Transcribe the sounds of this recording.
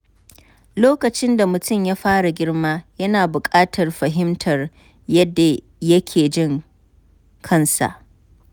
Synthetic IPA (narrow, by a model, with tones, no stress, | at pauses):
loː˦kɐ˨t͡ʃɪ˦nda˨mʊ˨tʊ˦˨mjaː˦ɸaː˦ɽa˨ɡʲɪ˦rmaː˦jɐ˦naː˨bʊ˨kʼaː˦tʰɐ˨rɸɐ˨ɦɪ˦mtʰɐ˨r | jɐ˦dːa˨ | jɐ˦kʲʰeː˨d͡ʒɪ˦ŋ | kʰɐ˦nsa̰˨ʔ